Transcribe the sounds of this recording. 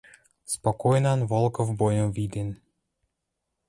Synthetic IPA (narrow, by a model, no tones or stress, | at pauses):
spɔkɔjnanvɔlˠkɔvbɔjɔmvid̪en